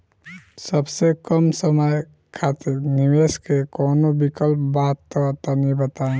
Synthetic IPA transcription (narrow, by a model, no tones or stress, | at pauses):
səbsekəmsəməj | kʰaːt̪eniʋeːskekoːnobikəlpbaːt̪ːot̪anibət̪ã